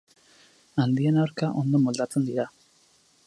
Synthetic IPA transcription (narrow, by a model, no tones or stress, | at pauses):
and̪ienaɾkaʔond̪omold̪at̪t͡sənd̪iɾa